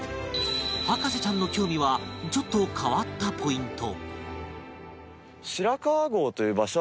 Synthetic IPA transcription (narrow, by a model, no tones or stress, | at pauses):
hakaɕit͡ɕãnːo̞kʲo̞ːmʲiβad͡ʑo̞t̪ːo̞kʰaβat̪ːapʰo̞ĩnt̪o̞ | ɕiɾakaːɡo̞ːt̪o̞jɯ̟ːbaɕo